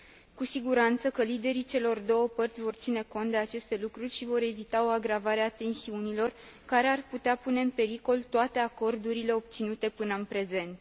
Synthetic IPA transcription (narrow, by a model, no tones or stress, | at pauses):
kusiɡuɾant̪səkəlid̪e̞ɾit͡ʃe̞lo̞rd̪o̞wəpərt̪sʲvo̞rt̪sine̞ko̞nt̪̚d̪eat͡ʃe̞st̪e̞lukɾurʲʃivo̞ɾe̞vit̪ao̞aɡɾavaɾe̞at̪e̞nsiunilo̞r | kaɾe̞arput̪eapune̞ɨnpe̞ɾiko̞lt̪oat̪e̞ako̞rd̪uɾile̞o̞b̚t̪sinut̪e̞pɨnəɨnpɾe̞ze̞nt̪